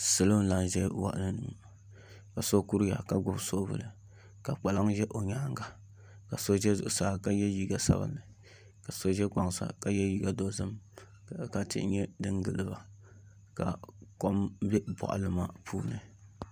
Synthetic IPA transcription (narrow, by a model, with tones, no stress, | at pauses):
sɨ˨lo˦n˦la˦n˨ʒɛ˦wa̰˨ʔnɨ˦nu˨˦˨ | ka˨so˦ku˦ɾja̰˨ka˨ɡʊ˦bso˦bɨ̰˨lɨ˨ | ka˨k͡pa˨la˦ŋʒɛ˦ʔo˨ɲa˦ŋɡa˨ | ka˨so˦ʒɛ˦zʊ̰˨ʔʊ˨saː˦ka˦jɛ˦ji˦ɡa˨sa̰˦bɨ̰˦nɨ˨ | ka˨so˦ʒɛ˦k͡pa˨ŋsa̰˨ka˦jɛ˦ji˦ɡa˦do˨˦zɨ˦m˨ | ka˦tɪ̰˦ʔɲɛ˦dɨ˦ŋɡɨ˨lɨ˦ba˨ | ka̰˨ko˦mbɛ˦bɔ̰˨ʔa̰˨lɨ˦ma˦˨pʰuː˦nɨ˨